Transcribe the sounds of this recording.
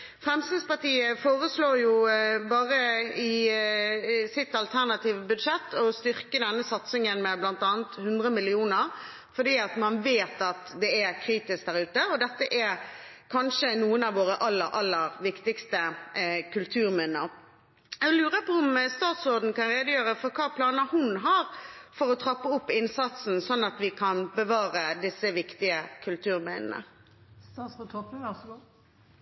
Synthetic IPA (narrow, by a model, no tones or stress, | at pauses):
fʁɛmsɪnspɑt̪iːəfoːʁəsloːjʊbɑːʁəɪ | sɪt̪ɑlt̪ʰæʁnɑt̪iːʋəbʉd̪ʂɛt̪ːɔst̪ʏʁkəd̪ɛnːəsɑt̪sɪŋənmɛblɑnt̪ɑːnt̪hʉnd̪ʁəmɪlɪuːnəɾ | fɔd̪iːɑt̪mɑnʋeːt̪ɑt̪d̪ɛæɾkʰɾiːt̪ɪsk̚d̪æɾʉːt̪əɔd̪ɛt̪ːəʔɛɾkʰɑnʂənuːənɑʋʋoːʁəʔɑlːəɾʔɑlːəɾʋɪkt̪ɪkst̪əkʰʉlt̪ʰʉːɾmɛnːə | ɛlʉːʁəpʰɔʊmst̪ɑːt̪sɔd̪n̩kɑnɾeːd̪əjøːɾəfɔɾkʰɑːpʰlɑːnəhʊnɦɑːɾfɔɾɔt̪ʰɾɑpːəʊpːɪnsɑt̪sn̩sɔnːɑt̪ʋɪkʰɑnbəʋɑːɾəd̪ɪsːəʋɪkt̪ɪəkʰʉlt̪ʰʉːʁɾmɛnə̰nə̰ | st̪ɑːt̪sɔt̪ʰɔpəʋæsɡu